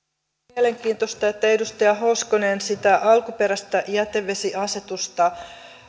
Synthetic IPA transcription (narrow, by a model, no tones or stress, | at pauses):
iele̞ŋk̟iːnt̪o̞st̪ɑet̪ːæedust̪ɑjɑɦo̞ːskonensit̪æʔɑlkupe̞ɾæst̪æʔjæt̪ːeʋʋe̞siʔɑse̞t̪ust̪ɑ